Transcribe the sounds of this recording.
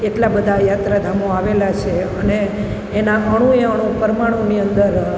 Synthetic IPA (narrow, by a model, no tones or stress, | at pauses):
eʈlabəd̪ʱajat̪ɾad̪ʱamoaʋelat͡ʃʰeəneː | naʔəɽ̃ũeəɽ̃õpəɾmaɽ̃oniənd̪əɾ